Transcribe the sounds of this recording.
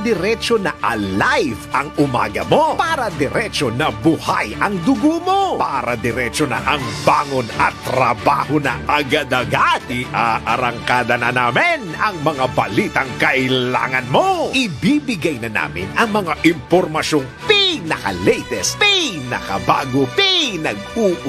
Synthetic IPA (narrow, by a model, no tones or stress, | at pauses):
d̪ɪɾɛt͡ʃonɐʔɐlajvɐŋʊma̰ːɡɐ̰mopaːɾɐd̪ɛɾɛt͡ʃonɐbʊhajɐŋd̪ʊɡomopaːɾɐd̪ɪɾɛt͡ʃonɐ̰ʔɐŋbaːŋonɐt̪ːɾɐba̰ːhonɐ̰ʔɐɡad̪ɐɡat̪ɪʔaʔɐɾɐŋkaːd̪ɐnɐnaːmɪnɐŋmɐŋabɐliːt̪ɐŋkɐʔɪlla̰ːŋɐnmoʔɪbibɪɡajnɐna̰ːmɪ̰nɐŋmɐŋaʔɪmpoɾmɐʃoŋpinɐka̰lɛjt̪ɛspinɐ̰kɐ̰baːɡopɪnɐɡ̚uːʔ